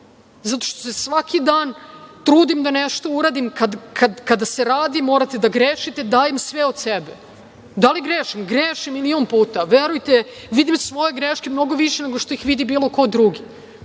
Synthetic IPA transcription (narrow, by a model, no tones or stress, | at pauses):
zat̪o̞̥ʃt̪osesʋakʰid̪aːnt̪ɾuːd̪imd̪aneʃt̪o̞uɾad̪imkad̪kʰad̪kad̪aseɾaːd̪imo̞ːɾat̪e̞d̪aɡɾeːʃit̪ed̪aːjemsʋeo̞d̪sebe | d̪aliɡɾeːʃimɡɾeːʃimiliompuːt̪aʋeɾujt̪e | ʋid̪imsʋo̞je̞ɡɾeʃkemno̞ɡo̞ʋiʃene̞ɡo̞ʃt̪o̞ixʋid̪ibiːlo̞ko̞d̪ɾuɡi